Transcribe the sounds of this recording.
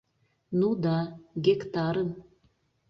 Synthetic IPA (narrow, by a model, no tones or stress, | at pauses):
nud̪ɑɡʲekt̪ɑɾən